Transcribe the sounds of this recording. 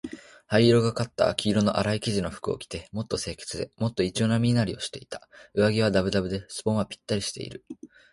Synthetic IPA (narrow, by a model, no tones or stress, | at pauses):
haiɾo̞ɡakat̪ːa̰kʲiːɾo̞no̞ʔa̰ɾaikʲiʑino̞ɸɯ̥kɯ̟o̞̰kʲi̥t̪e̞mo̞t̪ːo̞se̞ːkʲe̞̥t͡sɨd̪e̞̰mo̞t̪ːo̞it͡ɕio̞namʲiinaɾʲio̞ɕi̥t̪e̞it̪ḁɯ̟βaɡʲiβ̞ad̪abɯ̟d̪abɯ̟d̪e̞sɨ̥põ̞ɰ̃βapʲi̥t̪ːaɾʲiɕi̥t̪e̞̰ḭɾɯ̟